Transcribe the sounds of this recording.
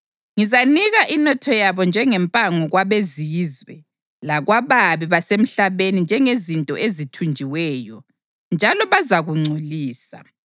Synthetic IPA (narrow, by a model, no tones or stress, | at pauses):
ŋizaniɣaʔinɔtʰɔjaβɔnd͡ʒʱɛŋɛmpʼaŋɔɣwaβezizwɛ | laɣwaβaβiβasem̩ɬaβenind͡ʒʱɛŋezintʼɔʔezitʰund͡ʒʱiwɛːjɔ | nd͡ʒʱalɔβazaɣuŋ͡ǀʱuliːsa̰